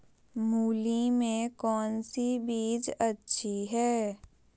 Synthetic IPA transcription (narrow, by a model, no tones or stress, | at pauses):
muːlimẽkɔːnsibiːd͡ʒətːʃʰiɦɛː